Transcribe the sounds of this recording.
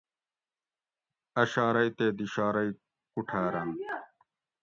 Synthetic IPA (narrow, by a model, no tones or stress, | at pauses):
ɐɕaːɾɐit̪eːd̪iɕaːɾɐi | kuʈʰaːɾɐn